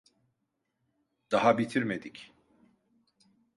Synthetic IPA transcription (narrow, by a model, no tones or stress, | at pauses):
d̪̥aɦabit̪ʰiɾme̞d̪ic